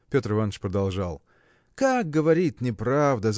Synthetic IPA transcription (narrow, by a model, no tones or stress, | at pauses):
pʲo̞t̪rɨvanːt͡ʃpɾəd̪ɐlˠʐalˠ | kak̚ɡəvɐɾʲit̪ʲnʲɪpɾavd̪əz